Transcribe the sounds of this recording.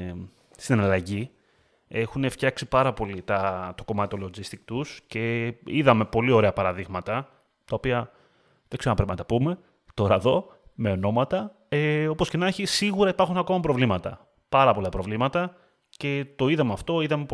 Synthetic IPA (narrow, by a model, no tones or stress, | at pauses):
st̪inɐlɐʝi | e̞xune̞ft̪çɐksipɐɾɐpo̞lit̪ɐt̪o̞̥ko̞mɐt̪iolozist̪ik̚t̪usce̞iðɐme̞po̞lio̞ɾe̞ɐpɐɾɐðiɣmɐt̪ɐ | t̪ɐo̞piɐ | ðekse̞onɐpɾepinɐt̪ɐpume̞ | t̪o̞ɾɐeðo̞ | me̞o̞no̞mɐt̪ɐ | eo̞posce̞nɐçisiɣuɾɐipɐɾxunɐko̞mɐpɾo̞vlimɐt̪ɐ̰ | pɐɾɐpo̞lɐpɾo̞vlimɐt̪ɐ | ce̞t̪o̞iðɐmeɐft̪o̞iðɐme̞